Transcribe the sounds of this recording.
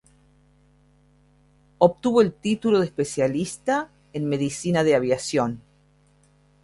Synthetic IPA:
op̚t̪uβo̞elt̪it̪ulo̞ðespesjalist̪a | enme̞ðisinaðeaβjasjon

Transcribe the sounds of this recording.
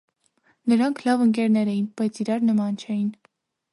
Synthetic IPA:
nəɾɑŋkʰlɑvəŋk̬ɛɾnɛɾɛjinb̥ɑjt͡sʰiɾɑɾnəmɑnt͡ʃʰɛjin

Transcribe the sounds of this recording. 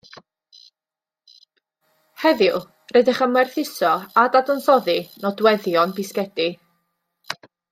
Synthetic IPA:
hɛðɪlˠ | rɛdɪχəmɛrθɪsɔadadɔnθɔðinɔdwɛðjɔnbɪskɛdi

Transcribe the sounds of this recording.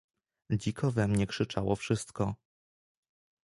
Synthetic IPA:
d͡ʑikʰɔvɛmɲɛkʂɘt͡ʂawɔfʂɘst̪kɔ

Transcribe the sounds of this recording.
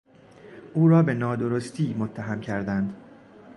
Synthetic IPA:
ʔuːɾɒːbe̞nɒːd̪o̞ɾo̞st̪ʰiːmot̪ʰːæɦæmcʰæɾd̪ænd̪̥

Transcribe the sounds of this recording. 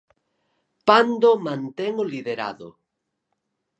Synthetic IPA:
pand̪omãnt̪eŋoliðeɾa̰ðo̰

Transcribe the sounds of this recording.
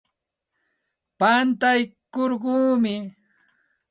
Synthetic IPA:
pant̪ajkoɾɢuːmɪ

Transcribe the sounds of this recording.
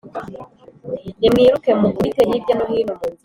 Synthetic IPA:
jemiːɾukemuɡiteɦidjanoɦiːnomui

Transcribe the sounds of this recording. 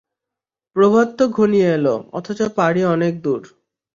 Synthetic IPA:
pɾobʱat̪ːoɡʱonijeeloɔ̰t̪ʰot͡ɕopaɽiɔnek̚d̪uɾ

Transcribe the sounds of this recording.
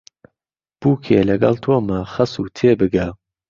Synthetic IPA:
b̥uːkʰeːlɐɡɐ̰lt̪ʰoːmaxɐsuːt̪ʰeːbɨɡa

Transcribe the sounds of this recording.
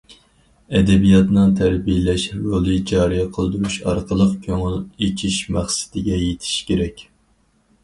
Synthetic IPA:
ɛd̪ɛbijɑt̪nɨŋt̪ʰæɾbijelɛʃɾolˠɨd͡ʒɑːɾijɛqʰəlˠd̪uɾuʃɑ̰ɾqʰəlˠəqkʲʰøŋɪlet͡ʃʰiʃmæχsɪ̥d̪ɪɡʲɛjet̪ʰɪ̥ʃkʲʰeɾɛkʲ

